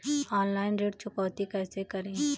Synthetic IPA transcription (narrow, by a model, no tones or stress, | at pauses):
ɔːnlaːɪnɾeːʈt͡ʃʰʊkɔːt̪ikɛːsekɐɾẽː